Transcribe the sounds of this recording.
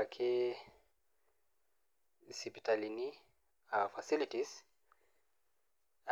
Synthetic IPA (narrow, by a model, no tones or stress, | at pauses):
akʰe | sipi̥talini | afasilitis